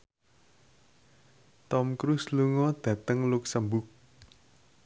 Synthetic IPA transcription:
t̪ɔmkɾusluŋɔd̪̥ä̤t̪əŋluksəmbʊk̚

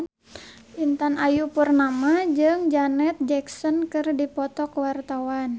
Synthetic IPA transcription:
int̪anajupurnamad͡ʒɨŋd͡ʒanɛt̪̚d͡ʒɛksɔnkɨrdipɔt̪ɔkəwart̪awan

